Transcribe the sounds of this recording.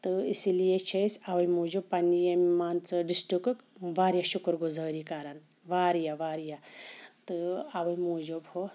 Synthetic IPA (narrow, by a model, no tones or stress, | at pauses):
t̪ɨisilijet͡ʃʰɐjsɐʋɐjmuːd͡ʒubpɐnijemaːnt͡sɨɖisʈukɨkʋaːɾjaʃukɾɡuzəːɾikaɾɐn | ʋaːɾjaʋaːɾjat̪ɨɐbɐjmuːd͡ʒubho